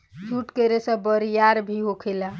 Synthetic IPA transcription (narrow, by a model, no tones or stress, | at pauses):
t͡ʃʰuʈkəɾesə̃bəɾijaɾbʱiɦokʰela